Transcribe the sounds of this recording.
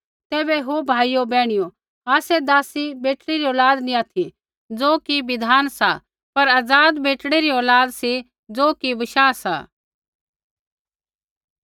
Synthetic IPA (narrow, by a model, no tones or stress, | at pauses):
t̪ɛːbɛɦobʱaːijobɛːɽ̃ɪjo | aːsɛd̪aːsibeːʈɽiɾiɔːlaːd̪nĩaːt̪ʰi | d͡zoːkiʋɪd̪ʱaːnsa | pɐɾaːd͡zaːd̪beːʈɽ̃iɾiɔːlaːd̪si | d͡zoːkibɐʃaːsa̰ː